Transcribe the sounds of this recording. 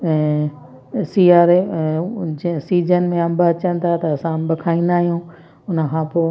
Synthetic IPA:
siːaːɾ | siːd͡ʒənɪ̆mẽɐ̃mbat͡ɕə̃nɪ̆t̪ʰat̪ɐːsãmbɐkʰaːĩn̆d̪aːɦijũ | ʊnəkʰãːpoː

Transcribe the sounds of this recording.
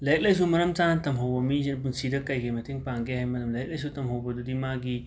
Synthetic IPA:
lɐjɐk̚lɐjs̬umɐɾɐmtantɐmɦowbɐmizenbunsidɐkɐjkemɐtʰiŋpaŋɡeɦajmɐlɐmlɐjɐk̚lɐjs̬utɐmɦowbɐdudimaɡi

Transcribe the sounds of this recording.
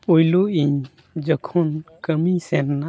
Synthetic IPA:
pojloiɲ | d͡ʒəkʰɔnkəmisɛnːa

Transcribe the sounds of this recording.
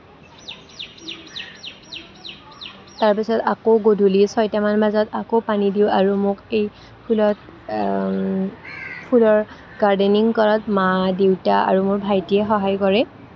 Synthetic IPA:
taɹpisɔtakowɡodʱulisɔjtamanbazatakopanidiwaɹumʊkej | pʰulɔt̚ | pʰulɔɹ | ɡ̥aɹdeniŋkɔɹatmadewtaa̰ɹumʊɹbʱajtijɛxɔɦajkɔɹɛ

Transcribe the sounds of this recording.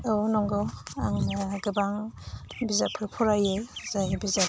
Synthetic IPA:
ownɔŋɡɔaŋɡɯbaŋbizapʰɯpʰɔɾajezajbiza

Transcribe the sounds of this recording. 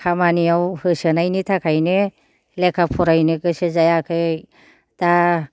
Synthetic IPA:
kʰamaniawhɯsɯnajnitʰakʰajne | lekʰapʰuɾajnɯkɯsɯzajakʰɯ | da

